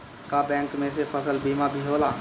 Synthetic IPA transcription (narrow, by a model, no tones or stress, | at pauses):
kabɛ̃ːŋkmẽsepʰəsəlbiːmabʱiɦoːlaː